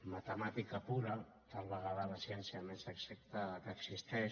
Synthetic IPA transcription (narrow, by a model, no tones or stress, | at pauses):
mat̪əmat̪ikəpuɾə | t̪alβəɣaðəlasjɛnsiəmezəksək̚t̪aðəkəːksist̪ɛʃ